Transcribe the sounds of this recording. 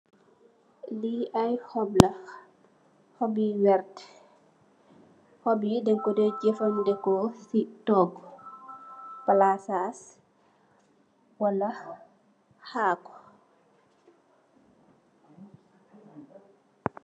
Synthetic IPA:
liʔɐjhɔblɐ | hɔbiwɛrt | hɔbidɛŋkɔdɛɟɛfɐmdɛkɔsitɔːɡ | pɐlasaːs | wɐlɐ | haːkɔ̥

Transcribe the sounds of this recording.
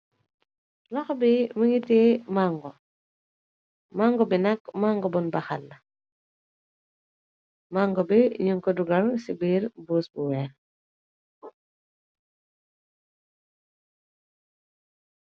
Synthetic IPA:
lɐxɔbimuŋitɛmaŋɡɔ | maŋɡɔbinɐkmaŋɡɔbɔnbɐxalːɐ | maŋɡɔbiɲuŋkɔduɡɐlsibiːrbuːsbuwɛːɾ

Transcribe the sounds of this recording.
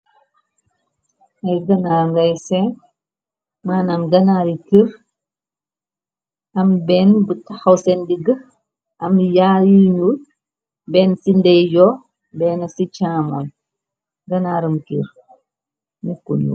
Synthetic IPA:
ɐɡɐnaɾŋɡɐjsɛ | maːnɐmɡɐnaɾikiɾ | ɐmbɛːnbətaxɐwsɛndiɡɐ | ʔɐmjajiɲul | bɛːnsindɛjjɔ | bɛːnɐsit͡ʃaːmɔn | ɡɐnaːɾəmkiɾ | nikṵnṵ

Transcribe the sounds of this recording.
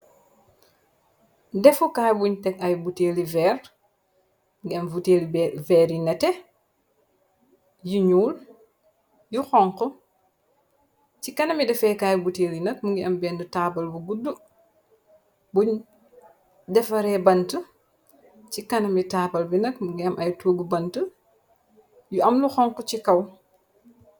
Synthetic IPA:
dɛfukajbuɲtɛk̚ɐjbutelivɛːɾ | ŋɡiɐmvuteːlivɛɾinɛtɛ | juɲuːl | juxɔŋkɔ | t͡ʃikɐnɐmidɛfɛkaːjbuteːɾinɐk̚muŋɡiɐmbɛndutaːpɐlbuɡudːu | buɲ | dɛfɐɾɛbɐntu | cikɐnɐmitaːbɐlbinɐkmuŋɡiɐmʔɐjtuːɡubɐntu | juɐmluxɔŋkɔt͡ʃikɐw

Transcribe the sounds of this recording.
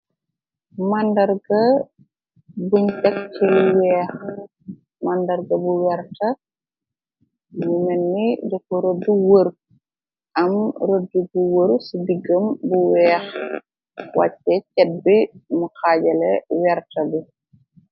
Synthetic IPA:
mɐndɐɾɡɐ | buɲt͡ʃɐk̚t͡ʃilwɛːx | mɐndɐɾɡɐbuwɛɾtɐ | mmumɛnːidɔkɔɾoduwəɾ | ʔɐmɾodːubuwəɾsidiɡəmbuwɛːx | wa̰cːɛcɛt̚bimukaːɟɐlɛwɛɾtɐbu

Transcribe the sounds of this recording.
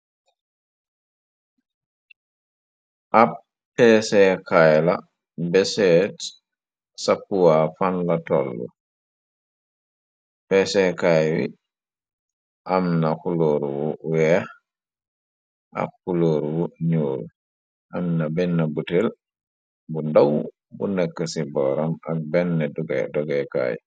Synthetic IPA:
ʔapː | ɛsɛkajla̰ | bɛsɛt | sapːuwafanlatɔlːṵ | pɛsɛkajwḭ | ʔamnakuloːɾwuwɛh | ʔa̰kːuloːɾwuɲuːl | ʔamnabɛnːabutɛl | bundaw | bṵnɛkːasibɔɾamak̚bɛnːɛduɡɛ̰dɔɡɛka̰j

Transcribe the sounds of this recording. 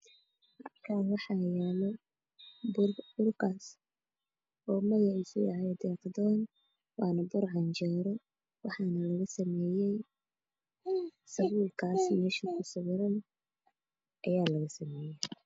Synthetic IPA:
ʔɐkʰaːnwɑħɑjaːlɔ | bbʊrkʰaːs | ɔːmɐɣɐʕɪsʊjɑ̰ʕjd̪ɛːqd̪ɔːn | wɑːnɐbʊrʕɑnt͡ʃɛːɾɔ | wɑħɑnɐlɐɣɐsɐmɛːjɛj | sɐɣuːlkʰaːsmɛːʃikʰʊsɐɣɾɐn | ʔɐjaːlɐɣɐsɐmɛːjɛj

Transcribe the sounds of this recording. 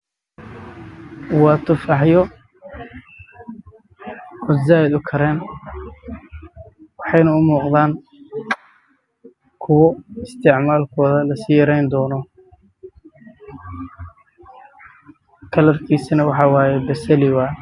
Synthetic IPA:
wɑːt̪ʰʊfɑħjɔ | ɔd̪zaːjɪd̪ʊkʰɐɾɛːn | wɑħɑjnɐʊmuːqðaːn | kʰʊwɔɪst̪ʰɪʕmaːlkʰɔːðɐlɐsiːjɐɾɛjnd̪ɔːnɔ | kʰɐlɐrkʰiːsinɐwɑħɑːwɑːjɛbɐsɛlɪwa

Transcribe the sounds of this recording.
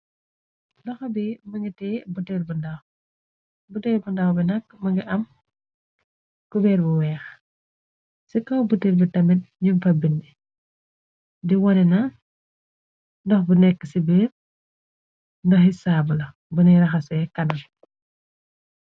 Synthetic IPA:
dɔxɐbimɐŋɡitɛːbutɛrbundɐw | butɛɾbundɐwbinɐkːmɐŋɡiʔɐm | kubɛrbuwɛːx | sikɐwbutːiɾbitɐmɛt̚ɲumfɐbindi | diwɔnɛnɐ | ndɔxbunɛkːəsibir | ndɐxisaːbulɐ | buniɾɐxɐsɛɛkɐnɐm

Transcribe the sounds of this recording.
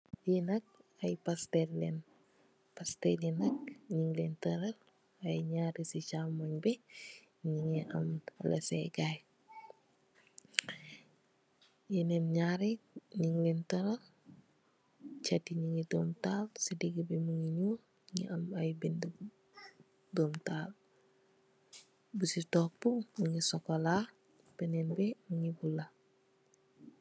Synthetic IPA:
jinɐk̚ɐjpastellɛn | pastɛlinɐk̚ɲiŋlɛntɐɾɐl | ɐjɲaɾisit͡ʃamaɲbɛ | ɲiŋɛʔɐmlɛ̰sɛ̰ɡaj | jinɛnɲaɾiɲiŋlintoɾa | t͡ʃatiɲiŋidomtaːlsidiɡibemuŋiɲu | ɲiŋḭʔamajbindu | doːmtaːl | busitok̚puŋɲiŋisokola | penenbemuŋibula

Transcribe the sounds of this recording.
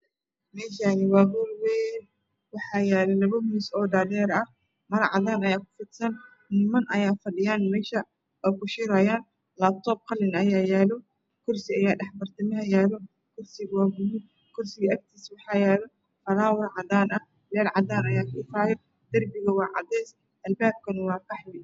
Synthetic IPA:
mɛːʃanɪwaːɣulwɛːn | wɑħaːjaːlɛlɐβɐmɪsɔːdaːdɛːɾɐ | mɐɾʕɑ̰ðaːnɐjaːkʊ̥fʊd̪sɐn | nɪmɐnʔɐjaːfɐɗɪjaːnmɛːʃɐ | ɔkʊʃɪɾaːjaːn | laːb̚t̪ʰɔːb̚qɑlɪnɐjaːjaːlɔ | kʰʊrsɪɐjaːɖɐħbɐrt̪ʰɐmɐɦɐjaːlɔ | kʰʊrsɪɣwaːɡʊlʊ | kʰʊrsɪɣɐɐk̚t̪ʰiːswɑħɑːjaːlɔ | fɐɾaːwɐrʕɑd̪aːnɐ | lɛːlʕɑd̪aːnɐjaːkʰʊɪfaːjɛ | d̪̥ɐrbɪɣɐwɑːʕɑ̰d̪ɛːs | ʔɐlbaːb̚kʰɐnɐwɑːkɑħlɪ

